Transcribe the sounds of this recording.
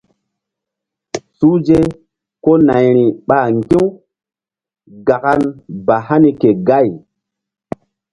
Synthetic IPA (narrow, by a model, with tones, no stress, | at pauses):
su˦d͡ʒe˦ | ko˦na˨jɾi˨ɓa˨ŋɡĩ˦w | ɡa˨ka˦nba˨ɦa˦ni˦ke˨ɡa˦˨j